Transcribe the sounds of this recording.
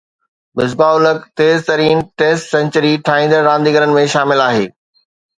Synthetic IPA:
mɪzbaːʊləkt̪eːzt̪ɐɾiːnʈeːsʈsɛ̃ɲt͡ɕəɾiʈʰaːɦĩːnd̪əɾɾãːnd̪iːɡəɾənɪ̆mẽʃaːmɪlaːɦeː

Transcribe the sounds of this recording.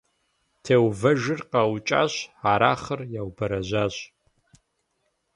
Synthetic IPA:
tʰeːwvɐʒɪrqawt͡ʃʼa̰ɕaɾa̰χərjaːwbɐɾɐʒʷaɕ

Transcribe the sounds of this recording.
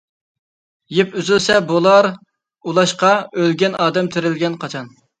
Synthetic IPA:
jepyzylsɛbolˠɑɾ | ulˠɑʃqɑølɡʲɛnɑːd̪ɛmt̪ʰeɾɪlɡʲɛnqʰɑt͡ʃʰɑn

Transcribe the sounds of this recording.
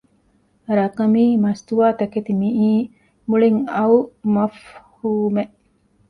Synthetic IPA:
ɾɐkɐmiːmɐst̪uʋaːt̪ɐket̪imiʔiː | muɭiŋɐumɐfhuːmeʔ

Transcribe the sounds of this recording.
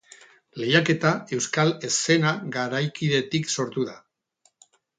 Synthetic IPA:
le̞jake̞t̪ae̞wskale̞se̞naɣaɾajkiðe̞t̪ikso̞ɾt̪uða

